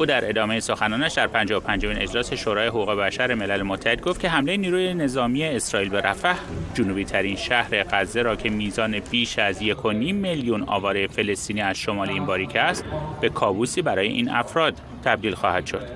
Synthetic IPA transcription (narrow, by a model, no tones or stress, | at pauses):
ʔuːd̪æɾʔe̞d̪ɒːmejeso̞xænɒːnæʃd̪æɾpʰænd͡ʒɒːopʰænd͡ʒo̞minʔe̞d͡ʒlɒːse̞ʃoːɾɒːje̞ɦoɣuːɣe̞bæʃæɾe̞me̞lælemot̪ʰːæhe̞d̪̚ɡoft̪cʰe̞ɦæmle̞jeniːɾuːje̞ne̞zɒːmie̞ːsɾɒːiːlbe̞ɾʔæfæʔd͡ʒonuːbiːt̪ʰæɾinʃæhɾe̞ɢæzːe̞ɾɒːcʰe̞miːzɒːne̞b̥iːʃæzje̞kʰo̞nimːeljunɒ̰ːvɒːɾejefe̞le̞st̪iːniːæz̥ʃo̞mɒːleiːmbɒːɾiːcʰeæst̪be̞kʰɒːbusiːbæɾɒːje̞̰ʔḭːnæ̰fɾɒːd̪̥̚ | t̪ʰːæb̚d̪iːlxɒːhæd̪̥ʃo̞d̪̥